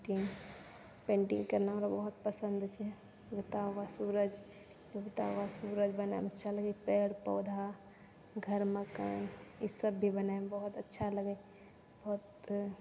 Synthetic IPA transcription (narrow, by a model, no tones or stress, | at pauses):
ʈĩŋ | pẽːɳʈḭ̃ŋɡkəɾnaoɾabəɦʊt̪̚pəsə̃nd̪t͡ʃʰɛ | jʊɡt̪awasuːɾəd͡ʒ | jʊɡt̪aʋasuːɾəd͡ʒbəna̰mətːʃʰaləɡəpeːɽpɔ̰ːd̪ʱa | ɡʱəɾməkə̰nisəbːibənaebəɦʊt̪ətːʃʰaləɡəj | bɔɦʊt̪